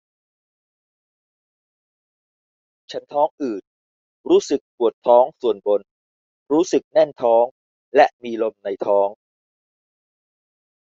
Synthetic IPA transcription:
t͡ɕʰa˦˥nt̪ʰɔː˦˥ŋʔɯː˨˩t̪̚ | ɾuː˦˥sɯ˨˩k̚pu˨˩ət̪ʰːɔː˦˥ŋsu˨˩ənbo˧n | ɾuː˦˥sɯ˨˩k̚nɛ˥˩nt̪ʰɔː˦˥ŋ | lɛ˦˥ʔmiː˧lo˧mna˧jt̪ʰɔː˦˥ŋ

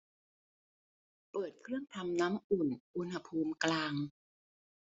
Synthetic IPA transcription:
pɤː˨˩t̪̚kʰɾɯ˥˩əŋt̪ʰa˧mna˦˥mʔu˨˩nʔu˧nha˧pʰuː˧mklaː˧ŋ

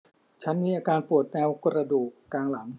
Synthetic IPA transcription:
t͡ɕʰa˦˥nmiː˧ʔaː˧kaː˧npu˨˩ət̪̚nɛː˧wkɾa˧duː˨˩kːaː˧ŋla˩˦ŋ

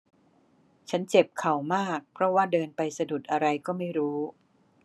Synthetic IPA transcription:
t͡ɕʰa˦˥nt͡ɕe˨˩p̚kʰa˨˩wmaː˥˩k̚pʰɾɔ˦˥waː˥˩dɤː˧npa˧jsa˧du˨˩t̪̚ʔa˧ɾa˧jkɔː˥˩ma˥˩jɾuː˦˥

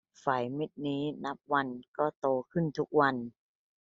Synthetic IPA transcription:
faː˩˦jmi˦˥t̪̚niː˦˥na˦˥p̚wa˧nkɔː˥˩t̪oː˧kʰɯ˥˩nt̪ʰu˦˥k̚wa˧n

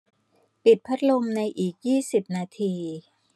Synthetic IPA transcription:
pi˨˩t̪̚pʰa˦˥t̪̚lo˧mna˧jʔiː˨˩k̚jiː˥˩si˨˩p̚naː˧t̪ʰiː˧

